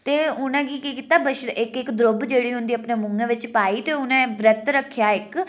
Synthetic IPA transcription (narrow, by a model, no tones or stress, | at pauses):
t̪eːʊnẽːɡiːkikit̪aːbəʃɪkɪkd̪ɾobd͡ʒeːɽiːɦʊ̃nd̪iːəpneːmʊŋɡẽːʋɪt͡ʃpaːiːt̪eːʊnẽːʋɾət̪ɾəkʰːjaːɪk